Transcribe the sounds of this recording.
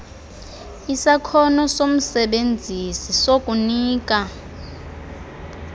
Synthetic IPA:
isakʰɔnɔsom̩sɛɓend͡zʱisisokʼuniːk̬ʼa

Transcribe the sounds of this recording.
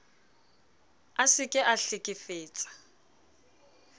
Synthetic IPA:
asɪkʼɪʔaɬɪkʼɪfeːt͡sʼḁ

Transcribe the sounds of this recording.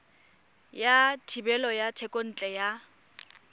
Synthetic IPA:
jatʰibɛlɔjatʰɛkʼon̩t͡ɬʼɛja

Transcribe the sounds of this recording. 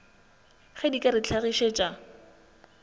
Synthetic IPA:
χedikʼaɾɪt͡ɬʰaɣiʃet͡ʃʼa

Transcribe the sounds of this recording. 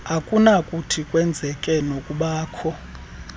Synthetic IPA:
akʼunakʼutʰikʼwɛnd͡zʱɛkʼɛnokʼuɓaːkʰɔ

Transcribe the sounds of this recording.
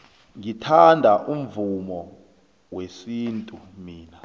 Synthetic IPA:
ŋitʰandʱaʔum̩vumɔ | wesiːntʼu | miːna

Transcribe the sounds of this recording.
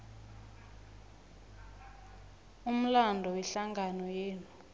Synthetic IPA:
um̩landʱɔwɛɬaŋɡʱanɔjeːlu

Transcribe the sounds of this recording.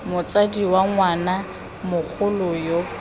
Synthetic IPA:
mʊt͡sʼadiwaŋwana | mʊk͡xʰʊlʊjo

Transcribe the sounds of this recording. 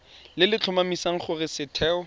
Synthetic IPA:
lɪlɪt͡ɬʰʊmamisaŋ̩χʊrɪsɪtʰɛːɔ

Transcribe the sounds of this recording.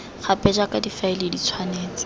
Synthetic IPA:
χapʼɛd͡ʒakadifailɪdit͡sʰwaneːt͡sɪ̥

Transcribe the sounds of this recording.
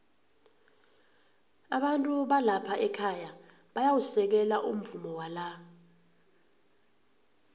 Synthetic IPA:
aɓantʼuɓalapʰaʔɛkʰaja | ɓajawusɛk̬ɛlaʔum̩vumɔwala

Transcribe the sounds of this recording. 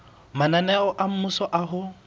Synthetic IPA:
mananɛɔʔam̩musɔʔaɦʊ

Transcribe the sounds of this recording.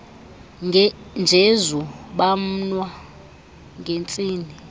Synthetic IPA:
nd͡ʒʱezuɓam̩nwa | ŋɡʱent͡sʼiːni

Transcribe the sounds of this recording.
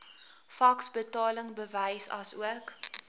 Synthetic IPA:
fɐksbətɑːləŋbəvəjsɐ̰suək

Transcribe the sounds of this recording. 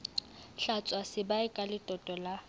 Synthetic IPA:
ɬat͡sʼwasɪbaɪkʼalɪtʼɔtʼɔla

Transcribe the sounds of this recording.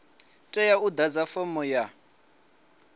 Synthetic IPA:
tʼɛjaud̪ad͡zafɔmɔja

